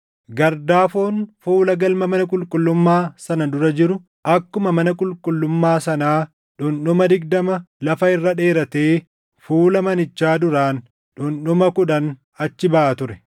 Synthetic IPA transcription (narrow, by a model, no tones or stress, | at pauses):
ɡɐɾd̪aːfoːnfuːlɐɡɐlmɐmɐnɐkʼʊlkʼʊlːʊmːaːsɐnɐd̪ʊɾɐd͡ʒɪɾʊ | ʔɐkːʊmɐmɐnɐkʼʊlkʼʊlːʊmːaːsɐnaː | ᶑʊnɗʊmɐd̪ɪɡd̪ɐmɐlɐfɐɪrːɐᶑe̞ːɾɐt̪eː | fuːlɐmɐnɪt͡ʃːaːd̪ʊɾaːn | ɗʊnɗʊmɐkʊᶑɐn | ɐt͡ʃːɪbɐʔaːt̪ʊɾɛ